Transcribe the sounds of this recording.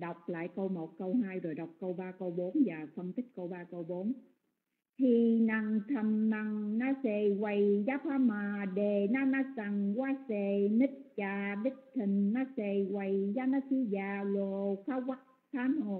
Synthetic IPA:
ɗa˨˩wk͡p̚la̰ː˧˨jkə˧wmo˨˩t̚kə˧wɦaː˧jzo˨˩jɗa˨˩wk͡p̚kə˧wɓaː˧kə˧wɓo˨˦nvaː˨˩fə˧mt̪ʰi˦˥k̟̚kə˧wɓaː˧kə˧wɓo˨˦n | t̪ʰi˨˩na˨˩ŋt̪ʰə˨˩mna˨˩ŋnaː˧se˨˩ɣwa˨˩jzaː˨˦faː˨˧˥maː˨˩ɗe˨˩naː˨˦˥naː˧˥sa˨˩ŋwaː˨˦se˧˩ni˦˥k̚t͡ɕaː˨˩ɓi˦˥k̚t̪ʰi˨˩ŋmaː˨˧˥se˧˩wa˨˩jzaː˨˦naː˧˥si˧zaː˨˩lo˨˩kʰaː˨˦˥wwa˦˥t̚t̪ʰaː˨˦no˨˩

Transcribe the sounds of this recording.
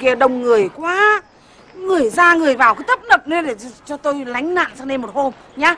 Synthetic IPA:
ki˨˩əɗə˨˩wŋ͡mŋːɨ˨˩əjkwaː˨˦ | ŋɨ˨˩əjzaː˧ŋɨ˨˩əjvaː˨˩wkə˨˦t̪ə˦˥p̚nə˨˩p̚ne˨˧˦ɗe˧˩˧t͡ɕɔ˧t̪o˧jla˨˦jŋ̟na̰ː˧˨nsaː˧ŋne˧nmo˨˩t̚ho˧m | ɲaː˨˧

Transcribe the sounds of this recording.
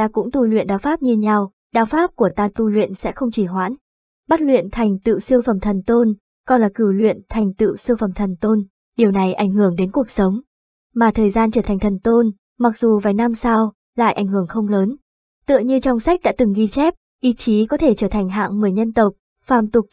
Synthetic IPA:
aː˧kʊ̰˧˥ŋ͡mt̪u˧˩lwḭ˧˨ənɗaː˨˦wfaː˦˥p̚ɲɨ˧ɲa˧w | ɗaː˨˦wfaː˦˥p̚ku˧˩ət̪aː˧t̪u˧lwḭ˧˨ənsɛ̰˧˥xə˧wŋ͡mt͡ɕi˧˩ɦwa̰ː˧˥n | ɓa˦˥t̚lwḭ˧˨ənt̪ʰa˨˩jŋ̟t̪ɨ̰˧˨sɨ˧əfə˧˩mt̪ʰə˨˩nt̪o˧n | kɔ˧nlaː˨˩kɨ˧˩wlwḭ˧˨ənt̪ʰa˨˩jŋ̟t̪ɨ̰˧˨sɨ˧əfə˨˩mt̪ʰə˨˩nt̪o˧n | ɗi˨˩əwna˨˩jʔa˧˩jŋ̟hɨ˧˩əŋɗe˨˦nku˨˩ək̚sə˨˦wŋ͡m | maː˨˩t̪ʰəː˨˩jzaː˧nt͡ɕəː˧˩t̪ʰa˨˩ŋ̟t̪ʰə˨˩nt̪o˧n | ma˨˩k̚zu˨˩vaː˨˩jna˧msa˧w | la̰ː˧˨jʔa˧˩jŋ̟hɨ˧˩əŋxə˧wŋ͡mləː˨˦n | t̪ɨ̰˧˨əɲɨ˧t͡ɕɔ˧wŋ͡msa˦˥k̟̚ɗa̰ː˧˥t̪ɨ˨˩ŋɣi˧t͡ɕɛ˦˥p̚ | ʔi˧t͡ɕi˨˦kɔ˨˦t̪ʰe˧˩t͡ɕəː˧˩t̪ʰa˨˩ŋ̟ɦa̰ː˧˨ŋmɨ˨˩əjɲə˧nt̪ə˨˩wk͡p̚ | faː˧˩mt̪ʊ˨˩k̚

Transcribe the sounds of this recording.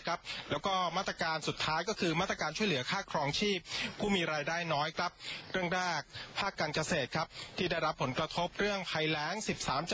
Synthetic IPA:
kʰa˦˥p̚lɛː˦˥wkɔː˥˩maː˥˩t̪ɾa˧kaː˧nsu˨˩t̪ʰːaː˦˥jkɔː˥˩kʰɯː˧maː˥˩t̪ɾa˧kaː˧nt͡ɕʰu˥˩jlɯ˩˦ɐkʰaː˥˩kʰɾɔː˧˥ŋt͡ɕʰiː˥˩p̚ʰuː˥˩miː˧ɾaː˧jdaː˥˩jnɔː˦˥jkʰɾa˦˥p̚ɾɯ˥˩əŋɾaː˥˩k̚pʰaː˥˩kːaː˧nka˧seː˨˩t̪̚kʰɾa˦˥p̚t̪ʰiː˥˩daː˥˩jɾa˦˥pʰːo˩˦nkɾa˧t̪ʰo˦˥p̚ɾɯ˥˩əŋpʰa˧jlɛː˦˥ŋsi˨˩p̚saː˩˦mt͡ɕ

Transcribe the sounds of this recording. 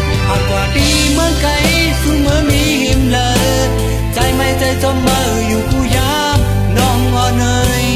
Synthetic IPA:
ʔa˨˩kwaː˨˩p̪iː˧˩ | mɯ˧˥˦ka˧j | su˧mɯː˧˥˦miː˧˥li˧˦mləː˧˦ | t͡ɕa˧jma˧˩jt͡ɕa˧˩jt͡ɕo˧˥mməː˧˩juː˨˩ku˧˩jaː˧˦ | m | nɔː˧˩ŋwɔː˧nɤː˧j

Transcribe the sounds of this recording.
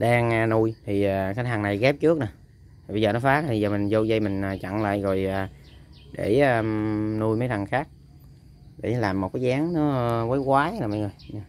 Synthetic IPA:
ɗaː˧ŋ˧nu˧jt̪ʰi˨˩aː˨˩xaː˨˦˥ɦaː˨˩ŋna˨˩jɣɛ˦˥p̚t͡ɕɨ˦˥ək̚nə˨˩˦ | t̪ʰi˨˩ɓə˧jzəː˨˩nɔ˨˦faː˦˥k̚t̪ʰi˨˩zəː˨˩mï˨˩ŋ̟zo˧zə˧jmï˨˩ŋ̟aː˨˩t͡ɕa̰˧˨ŋla̰ː˧˨jɣo˨˩jaː˨˩ | ɗe˧˩aː˨˩nu˧jmə˨˦jt̪ʰa˨˩ŋxaː˦˥k̚ | ɗe˧˩˦laː˨˩mː˨˩t̚kaː˨˦jzaː˨˦ŋnɔ˨˦˧kəː˨˦jkwaː˨˦laː˨˩ma˨˧˩ŋo˨˩j

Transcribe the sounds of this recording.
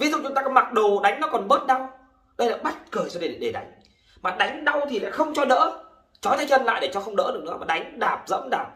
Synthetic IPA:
vi˨˦zʊ̰˧˨˩ŋ͡mt͡ɕʊ˨˦ŋ͡mt̪aː˧kɔ˨˦ma˨˩ɗo˨˩ɗa˨˦jŋ̟nɔ˨˦kɔ˨˩nɓəː˦˥t̚ɗa˧w | ɗə˧jlaː˧˨jɓə˦˥t̚kəː˨˩t͡ɕɔ˧ɗe˨˩˨ɗe˨˩ɗa˨˦jŋ̟ | maː˨˩ɗa˨˦jŋ̟ɗa˧wt̪ʰi˨˩la̰ː˧˨jxə˧wŋ͡mt͡ɕɔ˧ɗə̰ː˧˥ | t͡ɕɔ˨˦jt̪ʰə˨˧˦t͡ɕə˧nla̰ː˧˨jɗe˧˩t͡ɕɔ˧xə˧wŋ͡mnə̰ː˧˥ɗɨ˨˩ək̚ɨ̰˧˥˦maː˨˩ɗa˨˦jŋ̟ɗaː˨˩p̚zə̰˧˥mɗaː˨˩p̚

